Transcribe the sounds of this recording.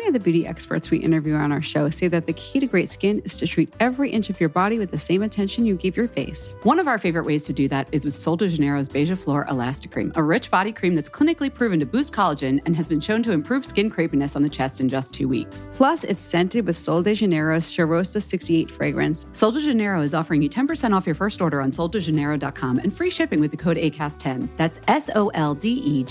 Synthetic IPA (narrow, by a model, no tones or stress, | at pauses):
niʌvðɨbjʉɾiʔɛ̰kspə̰˞tswḭʔɪ̰̃ɾ̃ə˞vjʉə̃naʊə˞ʃoʊseɪðɨt̪̚ðɨkʰiɾɨɡɹeɪtskɪ̃nɨz̥tʰɨtʰɹ̥iɾɛvɹiʔɪ̃nt͡ʃʌvjə˞bɑɾiwɨðɨsẽɪ̃mɨtʰɛ̃nʃɨ̃n̩jɨɡɪvjə˞feɪswʌ̃ñʌvaʊə˞feɪvə˞ɨʔweɪz̥tʰɨdɨðɨɾɨzwɨð̥soʊlˠdɨʒɨnɛɹoʊzbeɪʒʌflɔɹʔə̰læstɨ̥kʰɹ̥ḭ̃məɹɪt͡ʃb̥ɑɾikʰɹ̥ĩmðɨtskʰl̥ɪ̃nɨklipʰɹ̥ʉvɨ̃n̩tʰɨbʉstkʰɑlˠəd͡ʒɨ̃nɨ̃nɨzbɨ̃nʃõʊ̃ntʰɨɨ̃mpʰɹ̥ʉv̥skɪ̃nkʰɹ̥eɪpinɨsn̩ðɨt͡ʃʰɛstɨ̃n̩d͡ʒʌstʰʉ̰wḭkspʰl̥ʌsɪ̰tsɛ̃ntɨd̚wɨð̥soʊlˠdɨʒɨnɛɹoʊst͡ʃəɹoʊsɨsɪkstieɪtfɹḛɪɡɹɨ̰̃nssoʊlˠdəʒɨnɛɹoʊɨzɔfə˞ɪ̃ŋjɨtʰɛ̃npə˞sɛ̃ɾ̃ɔfjə˞fɜ˞stɔɹɾə˞ə̃nsoʊlˠdəʒɨnɛɹoʊdɑt̚kʰɑ̃mɨ̰̃nfɹiʃɪpɪ̃ŋwɨðɨkʰoʊɾḛɪkʰæstʰɛ̃nðætsɛsoʊʔɛlˠdiʔi